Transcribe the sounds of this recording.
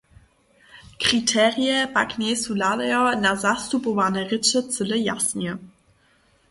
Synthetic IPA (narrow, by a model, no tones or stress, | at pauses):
kʁ̥itʰɛːʁiəmakneːsulalɛɐnazastupovaːnəʁɪt͡sət͡sɪləja̰snjə